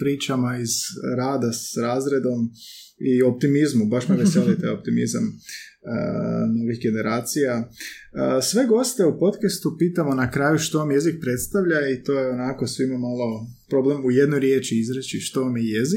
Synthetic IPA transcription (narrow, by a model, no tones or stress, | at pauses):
pɾiːt͡ʃamaizɾaːd̪asɾaːzɾe̞d̪o̞m | io̞p̚t̪imizmubaʃmaʋeselit̪eo̞p̚t̪imḭzam | ə̰no̞ʋixɡe̞ne̞ɾaːt̪sijaəsʋe̞ɡo̞st̪e̞upo̞t̪kest̪upiːt̪amo̞nakɾaːjuʃt̪o̞ʋamje̞zik̚pɾe̞t̪st̪aʋʎait̪o̞ːjeonako̞sʋimamalˠo̞ | pɾo̞ble̞muje̞d̪nojɾjeːt͡ʃiizɾet͡ʃiʃt̪o̞ʋamjeje̞zik